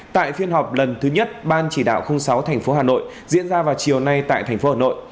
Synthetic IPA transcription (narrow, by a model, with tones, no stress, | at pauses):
t̪a̰ː˧˨jfi˧ənɦɔ˨˩wk͡p̚lə˨˩nt̪ʰɨ˨˦ɲə˦˥t̚ɓaː˧nt͡ɕi˧˩ɗa̰ː˧˨wxə˧wŋ͡msa˨˦wt̪ʰɛ˨˩ŋ̟fo˨˦ɦaː˨˩no̰˧˨j | zḭ˧˥ənzaː˧vaː˨˩wt͡ɕi˨˩əwna˧jt̪a̰ː˧˨jt̪ʰɛ˨˩ŋfo˨˦haː˨˩no̰˧˨j